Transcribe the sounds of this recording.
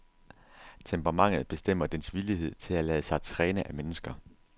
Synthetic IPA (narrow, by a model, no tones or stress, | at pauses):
t͡sʰempʰʁɑ̈mɑ̈ŋ̰ð̩ˠb̥e̝sd̥em̰ɐd̥ensʋiliɦe̝ð̞̰ˠt͡sʰe̝lælɛːð̩əsɑ̈ɪt͡sʰʁɛːnəʔæmenəsɡ̥ɐ